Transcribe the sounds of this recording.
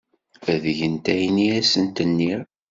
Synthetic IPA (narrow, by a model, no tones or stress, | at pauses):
æðʝənt̪æjniæsənt̪ənːiɾ